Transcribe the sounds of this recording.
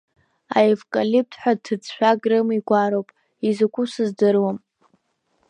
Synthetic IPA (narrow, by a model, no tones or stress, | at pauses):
a̰evkʼalip̚tʰħʷᶣatʰɨt͡sʰʃʷᶣaɡrɨmiɡʷaɾowpʼ | izɨkʷusɨzdɨrwam